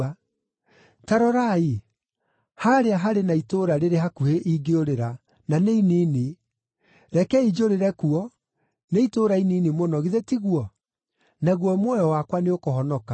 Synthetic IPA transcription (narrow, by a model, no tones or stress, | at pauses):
taɾɔɾai | haɾeaɦaɾenaitoɾaɾeɾeɦakuheʔiɡeoɾeɾa | naneinine | ɾɛkɛid͡ʒoɾeɾɛkuɔ | neitoɾainiːnemonɔɣiðetiɣwɔ | naɣwɔmwɔjɔwakwaneokohɔnɔka